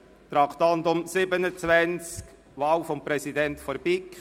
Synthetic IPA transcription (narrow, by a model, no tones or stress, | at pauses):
t̪ɾɑkʰt̪ɑntʊmsɪbənət͡svænt͡sk | vɑːwfɔmpɾɛsidɛntfɔɾbik